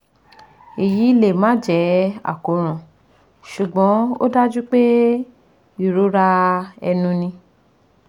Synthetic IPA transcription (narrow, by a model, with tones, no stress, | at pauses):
e˨ji˨˦i˦le˦˨mã˨˦d͡ʒɛ˨˦a̰˨ko˨ɾ̃ã˨ | ʃu˨ɡ͡bɔ̃˨˦o̰˦da˦d͡ʒu˦k͡pe˦ | i˨ɾo˨˦ɾa˦ɛ̰˧nũ˧nĩ˧